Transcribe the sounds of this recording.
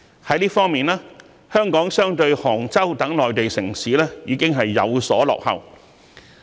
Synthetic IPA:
hɐ˨˥jliː˥fɔː˥ŋmiː˨˩nlaː˥ | hœː˥ŋkɔː˨˥ŋsœː˥ŋt̪ɵ˧ɥhɔː˨˩ŋt͡sɐ˥wt̪ɐ˨˥ŋlɔː˨˩jt̪e˨jsɪ̰˨˩ŋsiː˨˥lɛː˥jiː˨˧˥kɪ˥ŋɦɐ˨jːɐ̰˨˧wsɔ̰ː˨˥lɔ̰ː˨k̚hɐ̰˨w

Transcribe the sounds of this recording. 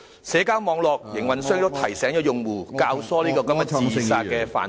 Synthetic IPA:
sɛː˨˥kaː˥wmɔː˨˧ŋlɔː˨k̚jɪ˨˩ŋwɐ˨nsœː˥ŋt̪o˥wt̪ʰɐ˨˩jsɛː˨˥ŋɔː˨˥jʊ˨˧ŋwuː˨˩kaː˧wsɔː˥liː˥kɔː˧kɐ˥mjɐ˥t͡sːiː˧saː˧tkɛː˧fa̰ː˨˩n

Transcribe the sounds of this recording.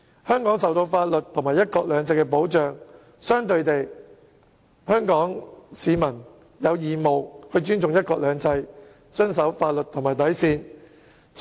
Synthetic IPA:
hœː˥ŋkɔː˨˥ŋsɐ˨wt̪o˧wfaː˧t̚lɵ˨t̚t̪ʰːŋmaː˨˩jɐ˥t̚kɔː˧k̚lœː˨˧ŋt͡sɐ˧jkɛː˧p̬o˨˥wt͡ʃœː˨ŋ | sœː˥ŋt̪ɵ˧ɥt̪e˨j | hœː˥ŋkɔː˨˥ŋsiː˨˧mɐ˨˩n | jɐ˨˧wjiː˨˩mo˨wkɵ˧ɥt͡ʃyː˥nt͡sʊ˨ŋjɐ˥t̚kɔː˧k̚lœː˨˧ŋt͡sɐ˧j | t͡ʃɵ˥nsɐ˨˥wfaː˧t̚lɵ˨t̪ʰːŋmaː˨jt̪ɐ˨˥jsiː˧n

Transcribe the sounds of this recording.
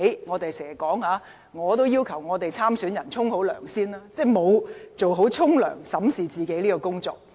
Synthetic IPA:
jŋɔː˨˧t̪e˨jsɛː˨˩kɔː˨˥ŋhaː˨˧ | ŋɔː˨˧t̪o˥wjiː˥wkʰɐ˨˩wŋɔː˨˧t̪e˨jt͡sʰaː˥msyː˨˥njɐ˨˩nt͡sʰʊ˥ŋho˨˥wlœ̰ː˨˩ŋsiː˥nlaː˥t͡sɛː˥˩mo˨˧wt͡so˨wɦo˨˥wt͡sʰʊ˥ŋlœ̰ː˨˩ŋsɐ˨˥msiː˨˩t͡siː˨˩ke˨˥jliː˥kɔː˧kʊ˥ŋt͡sɔː˧k̚

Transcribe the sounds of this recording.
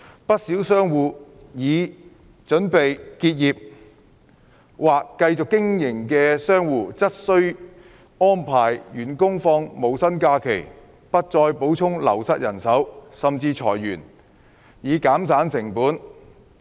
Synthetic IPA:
pɐ˥t̚siː˨˥wsœː˥ŋwuː˨ | jiː˨˧ | t͡ʃɵ˨˥npe˨jkiː˧t̚jiː˨p̚ | waː˨kːɐ˧jt͡sʊ˨kːɪ˥ŋjɪ˨˩ŋkɛː˧sœː˥ŋwuː˨t͡sɐ˥t̚sɵ˥ɥ | ŋɔː˥npʰaː˨˩jjyː˨˩nkʊ˥ŋfɔː˧ŋmo˨˧wsɐ˥nkaː˧kʰe˨˩j | pɐ˥t̚t͡sɔː˧jpo˨˥wt͡sʰʊ˥ŋlɐ̰˨˩wsɐ˧t̚jɐ˨˩nsɐ˨˥wsɐ˨mt͡siː˧t͡sʰɔ̰ː˨˩jːyː˨˩n | jiː˨˧kaː˨˥msaː˨˥nsɪ˨˩ŋpuː˨˥n

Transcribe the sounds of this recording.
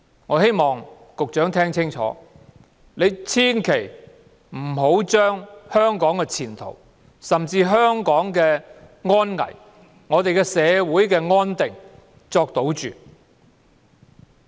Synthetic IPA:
ŋɔː˨˧˥he˥jmɔː˨˩ŋ | kʊ˨k̚t͡ʃœː˨˥ŋt̪ʰɛː˥ŋt͡sʰɪ˥ŋt͡ʃʰɔ̰ː˨˥ | le˨˧jt͡sʰiː˥nkʰe˨˩j | m̩˨˩ɦo˨˥wt͡ʃœː˥ŋhœː˥ŋkɔː˨˥ŋkɛː˧t͡sʰiː˨˩nt̪ʰo̰˨˩w | sɐ˨mt͡siː˧ɦœː˥ŋkɔː˨˥ŋkɛː˧ŋɔː˥nŋɐ̰˨˩j | ŋɔː˨˧t̪e˨jkɛ˧sɛː˨˧wuː˨˥jkɛː˧ŋɔː˥nt̪ɪ˨ŋ | t͡sɔː˧k̚t̪o˨˥wt͡ʃyː˨

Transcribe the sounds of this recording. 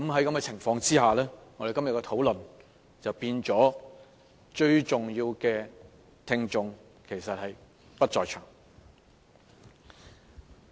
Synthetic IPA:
kɐ˨˥mɦɐ˨˥jkɐ˨˥mkɛː˧t͡sʰɪ˨˩ŋfɔː˧ŋt͡siː˥haː˨lɛː˥ŋɔ˨˧ɾe˨˩kɐ˥mjɐ˨tkɔ˧t̪ʰo˨˥wlɵ˨n | t͡sɐ˨wpiː˧nt͡sɔː˨˥ | t͡ʃɵ˧ɥt͡sʊ˨ŋjiː˧wkɛː˧ | t̪ʰɪ˧ŋt͡sʊ˧ŋ | kʰe˨˩jsɐ˨t̚hɐ˨j | pɐ˥t̚t͡sɔː˨jt͡ʃʰœː˨˩ŋ

